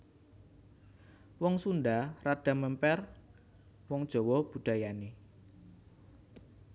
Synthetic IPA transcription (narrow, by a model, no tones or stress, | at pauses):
wɔŋsundarad̥a̤məmpɛr | wɔŋd̥ʒ̥ɔ̤wɔb̥ṳd̥a̤jane